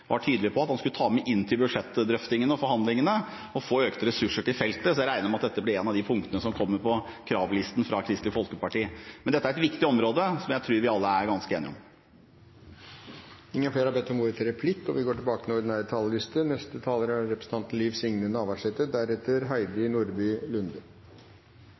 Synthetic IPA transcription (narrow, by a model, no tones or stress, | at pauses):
ʋʔɑ̰ʈʰyːd̪lɪpʰɔɑt̪hɑnskʉlət̪ʰɑːmɛʔɪnːt̪ʰɪlbʉd̪ʂɛt̪ːd̪ɾœft̪ɪŋənəɔfɔɾhɑnd̪lɪŋənə | ɔfoːøːkt̪əɾɛsʉʂəʈɪlfɛlt̪əsɔjæɾæɪnəɾɔmɑt̪̚d̪ɛt̪ːəblɪɾeːnɑʋd̪ɪpʰʊŋkt̪ənəsɔmkʰɔmːəpʰɔkʰɾɑːʋlɪst̪n̩fɾɑkʰɾɪst̪ɪfɔlkəpɑʈiːmɛnd̪ɛt̪ːæɾɛt̪ʋɪkt̪ɪɔmɾoːd̪əsɔmjæɪt̪ʰɾʉːɾʋɪɑlːəæɾɡɑnskəeːnɪ̰ɔ̰m | ɪŋːənfleːɾhɑbɛt̪ːɔmuːɾət̪ʰɪɾɛpʰlɪkːɔ̰ʋɪɡoːʈɪlbɑːkət̪ʰɪlʊɖɪnæːɾət̪ʰɑlːəlɪst̪ənɛst̪ət̪ʰɑːləɾɾɛpɾəsn̩t̪ɑnt̪n̩liːʋsɪŋnənɑːʋɑʂɛt̪əd̪æɾɛt̪ːəɾɦæɪd̪ɾɪnuɾbyːlʉnd̪ə